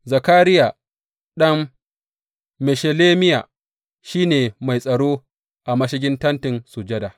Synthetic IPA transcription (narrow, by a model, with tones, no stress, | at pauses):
zɐ˨kaː˦ɾɪ˦jaː˨ | ɗɐ˦m | mɛ˨ʃe˨leː˦mɪ˦jaː˨ | ʃiː˦neː˨ma˨jsʼɐ˨ɽoː˦ | ʔa˨mɐ˦ʃɪ˦ɡʲɪ˦ntɐ˦ntɪ˨nsu˨d͡ʒɐ˦daː˨